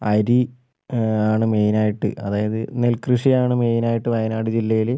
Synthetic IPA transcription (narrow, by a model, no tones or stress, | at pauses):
ɐɾi | aːɳɨmejnaːjiʈːɨ̰ɐðaːjɐðɨnelkrɨʂijaːɳɨme̞jnaːjiʈːɨʋɐjɐnaːɽɨd͡ʑilːɐjil